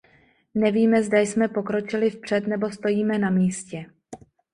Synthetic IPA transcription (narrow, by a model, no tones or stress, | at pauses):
nɛviːmɛzdajsmɛpo̞kɾo̞t͡ʃɪlɪfpr̝̥ɛt̪nɛbo̞st̪o̞jiːmɛnamiːscɛ